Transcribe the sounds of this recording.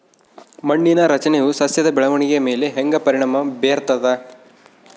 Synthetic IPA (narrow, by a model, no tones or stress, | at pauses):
mɐɳːinɐɾɐt͡ʃɐnejusɐsjɐd̪ɐbɛɭɐʋɐɳiɡeɐmeːleɦeŋɡɐpɐɾiɳɐmɐbeːɐɾt̪ɐd̪ɐ